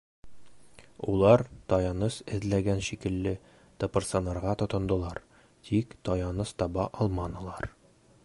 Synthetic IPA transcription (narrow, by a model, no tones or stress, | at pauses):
ulˠɑɾt̪ɒjɑnɤsɘ̆ðlæɡænɕikɘ̆lːɘ | t̪opŏrt̪sɑnɑɾʁɑt̪ŏt̪ŏnd̪ɤ̆lˠɑɾ | t̪ʰikt̪ɒjɑnɤst̪ɒbɑʔɒlˠmɑnɤ̆lˠɑɾ